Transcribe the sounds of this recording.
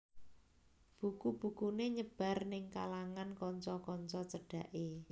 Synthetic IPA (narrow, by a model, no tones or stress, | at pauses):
b̥ukub̥ṳkuneɲəb̥a̤rnɪŋkalaŋankɔɲt͡ʃɔkɔɲt͡ʃɔt͡ʃəɖ̥a̤ʔe